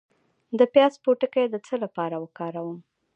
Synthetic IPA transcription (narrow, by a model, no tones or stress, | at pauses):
d̪əpjɑspoʈəkajd̪ət͡səlapɑɾawəkɑɾawəm